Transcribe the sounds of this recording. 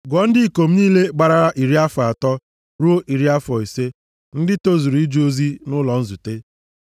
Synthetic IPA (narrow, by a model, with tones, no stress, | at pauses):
ɡɔ˨˦n̩˦dɪ˦˨ko˨m̩˦niː˦le˦ɡ͡ba˨ɾa˨ɾa˦ʔi˨ɾi˦a˦fa˨tɔ˦ | ɾu˦o˦ʔi˨ɾi˦a˦fɔ˨i˨se˦ | n̩˦dɪ˦to˦zu˨ɾi˦d͡ʒu˦o˦zi˦nʊ˦lɔ˨n̩˦zu˨te˦